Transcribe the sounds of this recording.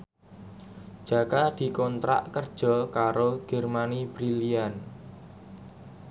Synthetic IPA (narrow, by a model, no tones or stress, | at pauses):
d͡ʒ̥a̤kad̪̥i̤kɔnt̪ɾa̰ʔkərd̥ʒ̥ɔ̤kaɾoɡ̥ɛ̤rmanib̥ɾilian